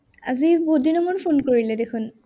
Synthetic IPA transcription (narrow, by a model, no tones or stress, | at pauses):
a̰zibodinɔmɔnpʰonkoɹilɛdekʰun